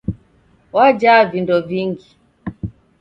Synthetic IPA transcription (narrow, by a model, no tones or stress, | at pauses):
wad͡ʒavindɔviŋɡi